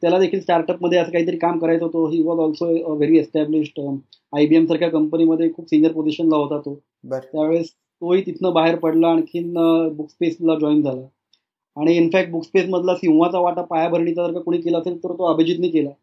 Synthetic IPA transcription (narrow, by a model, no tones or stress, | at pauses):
t̪jalad̪ekʰiːlsʈaɾʈəpməd̪ʱːjeəsəːkaɦiːt̪əɾiːkamkəɾajt͡sɦot̪oɦiʋɔzɔlsoʋeɾiːesʈæbliɕʈ | ajbiemsaɾkʰjakəmpəniməd̪ʱːjekʰuːpsinijəɾpod͡ziɕənlaɦot̪at̪o | bt̪jaʋeɭs | t̪oɦiːt̪it̪ʰnəbaɦeɾpəɽlaaɽ̃ikʰiːnəbukspeslad͡ʑɔind͡zʱalə | aɽ̃iːnfæk̚ʈ̚bukspesməd̪ʱlasĩw̃ʋat͡saʋaʈapajabʱəɾɳ̃it͡sat̪əɾkakuɽ̃ikelaəselt̪əɾt̪oəbʱed͡ʑiːt̪niːkela